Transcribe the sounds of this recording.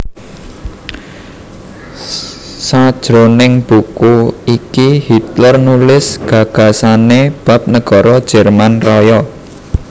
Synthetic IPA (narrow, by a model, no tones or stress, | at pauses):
sad̥ʒ̥ɾonɪŋb̥ukuikihit̪lərnulɪsɡ̥ä̤ɡ̥ä̤saneb̥a̤p̚nəɡ̥ɔ̤ɾɔd̥ʒ̥ɛrmanrɔjɔ